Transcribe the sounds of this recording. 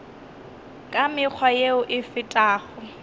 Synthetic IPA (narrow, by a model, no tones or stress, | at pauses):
kʼamɪk͡xʰwajeʊʔɪfɪtʼaːχɔ